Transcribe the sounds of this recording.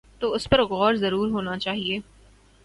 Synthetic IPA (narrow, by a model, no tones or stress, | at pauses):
t̪oːʊspɐɾɣɔːɾzɐɾuːɾɦoːnat͡ʃaːɦieː